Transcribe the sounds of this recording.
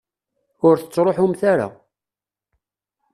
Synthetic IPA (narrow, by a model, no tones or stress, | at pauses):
ʊɾθət͡sːɾˤoħumθaɾa̰